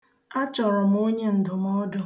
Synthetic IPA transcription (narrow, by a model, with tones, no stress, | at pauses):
a˦t͡ʃɔ˨ɾɔ˨m̩˨˦o˦ɲe˦n̩˨dʊ˨m˦ɔ˦dʊ˦